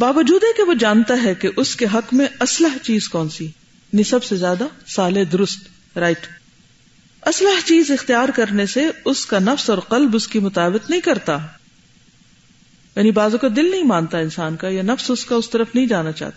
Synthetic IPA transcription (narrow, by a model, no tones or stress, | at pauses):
baːʋəd͡ʒuːd̪ɦɛkeʋod͡ʒaːnt̪aɦɛkeʔʊskeɦɐkmẽɐsləɦt͡ʃiːzkɔːnsi | nɪsɐbsezjaːd̪asaːleɦd̪ʊɾʊst̪ | ɾaːɪʈ | ɐsləɦt͡ʃiːzɪxt̪ijaːɾkɐɾneseʊskanɐfsɔːɾqɐlbʊskimʊt̪aːbət̪nɐɦĩkɐɾt̪a | jaːnibaːzõkad̪ɪlnɐɦĩmãːnt̪aɪnsaːnkajanɐfsʊskaʊst̪ɐɾəfnɐɦĩd͡ʒaːnat͡ʃa̰ːɦt̪a